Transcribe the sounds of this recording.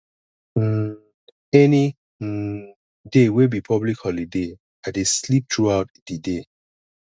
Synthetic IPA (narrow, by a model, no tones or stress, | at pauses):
ɛni | dewebipʰɔblikhɔlide | adeslip̚tʰɹuaʊt̚d̥ide